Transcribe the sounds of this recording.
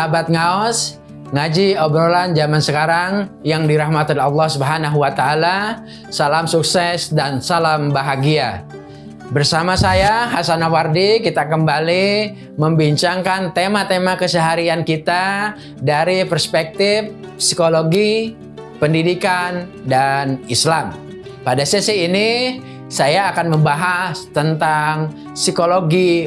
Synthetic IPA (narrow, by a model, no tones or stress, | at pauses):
bat̪̚ŋaɔs | ŋad͡ʒiɔbɾoland͡ʒamansəkaɾaŋjaŋdiɾahmat̪ɔlɛɑlːɑhsubɦanaɦuwat̪aːla | salamsuksɛsdansalambaɦaɡia | bərsamasajaɦasanawardikit̪akəmbali | məmbiɲt͡ʃaŋkant̪emat̪emakəsəɦaɾiankit̪a | daɾipərspɛk̚t̪ɪf | sikoloɡi | pəndidikandanislam | padasəsiːni | sajaːkanməmbaɦast̪ənt̪aŋ | sikoloɡi